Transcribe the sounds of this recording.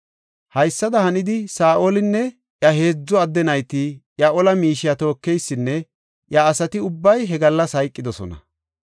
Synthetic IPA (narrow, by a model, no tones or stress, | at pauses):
hɐjsːɐd̪ɐhɐnɪd̪ɪsaːʔoːlɪnːɛ | ʔjɐɦe̞ːd͡zːɔɐd̪ːɛnɐjt̪ijɐʔɔlɐmiːʃɪjɐt̪o̞ːkːɛjsːɪnːɛ | ʔjɐːsɐt̪ɪʊbːɐjɦɛɡɐlːɐshɐjkʼːɪd̪ɔsɔ̰nɐ̰